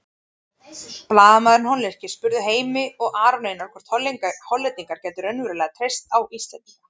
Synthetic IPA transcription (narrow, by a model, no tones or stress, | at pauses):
plaːðamaðɪɾnhɔnler̥cɪ̥spʏɾðʏɦeːjmɪɔɣʔaːɾɔnejnɔɾ̥kvɛ̥ɾ̥t̪hɔlːiŋkhɔlːɛt̪iŋkaɾ̥cɛːjt̪ʏɾœnvʏɾɪlɛːɣat̪ʰɾejst̪awʔist̪ant̪